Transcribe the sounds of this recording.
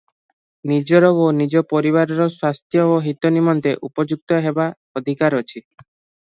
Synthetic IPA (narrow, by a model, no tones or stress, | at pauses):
nid͡ʒɔɾɔonid͡ʒɔpɔɾiβaɾɔɾɔswast̪ʰjɔoɦit̪ɔnimɔnt̪eʔupɔd͡ʒuk̚t̪ɔɦeba | ɔd̪ʱikaɾɔt͡ʃʰi